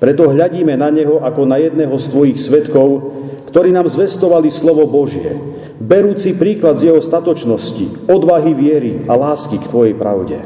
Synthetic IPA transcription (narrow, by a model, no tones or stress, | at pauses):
pɾɛt̪ɔɦʎaɟiːmɛnaɲɛɦɔʔakɔnajɛd̪nɛːɦɔst̪ʋɔjixsʋɛt̪kɔʊ | kt̪ɔɾiːnaːmzʋɛst̪ɔʋalislɔʋɔbɔʒɪɛ̰ | bɛɾuːt͡sipɾiːklad̪zjɛɦɔst̪at̪ɔt͡ʃnɔscḭɔd̪ʋaɦiʋɪɛɾialaːskikt̪ʋɔjɛjpɾa̰ʊɟɛ̰